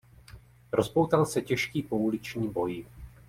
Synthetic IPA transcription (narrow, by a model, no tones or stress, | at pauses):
ɾo̞spowt̪alsɛcɛʃkiːpoulɪt͡ʃɲiːbo̞jɪ